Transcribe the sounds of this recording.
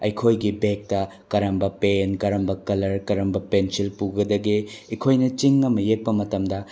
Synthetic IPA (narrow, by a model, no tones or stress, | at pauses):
ɐjkʰojɡibek̚tɐ | kɐɾɐmbɐpenkɐɾɐmbɐkɐlɐɾkɐɾɐmbɐpensilpuɡɐdɐɡiikʰojnɐt͡ʃiŋːɐmɐjek̚pɐmɐtɐmdɐ